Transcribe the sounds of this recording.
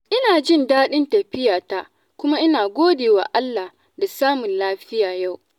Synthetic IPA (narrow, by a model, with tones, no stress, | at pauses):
ʔɪ˦naː˨d͡ʒɪ˦ndaː˦ɗɪ˦ntɐ˨ɸɪ˦jaː˨ta˦ | kʷʊ˦ma˦ʔɪ˦naː˨ɡʷoː˦deː˨wa̰ː˨ʔa˦lːa˨h | da˨saː˦mʊ˨nlaː˦ɸɪ˦jaː˨ja˦˨w